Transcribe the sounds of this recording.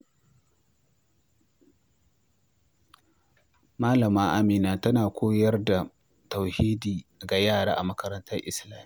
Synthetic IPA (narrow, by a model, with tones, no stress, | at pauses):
maː˦lɐ˨maː˦ʔa˦miː˨naː˨tɐ˦naː˨kʷʰoː˦jɐ˦rda˨ | tɐ˨whiː˦diː˨ɡa˨jaː˦˨ɽaː˦ʔa̰˨mɐ˦kɐ˦ɾɐ˦ntɐ˦rʔɪ˦slaː˦miː˦